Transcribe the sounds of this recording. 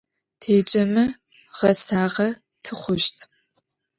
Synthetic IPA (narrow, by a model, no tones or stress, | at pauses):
tʰeːt͡ʃʼɐmɨ | ʁ̥ɐsaːʁɐ | tʰɨχʷʊʃtʰ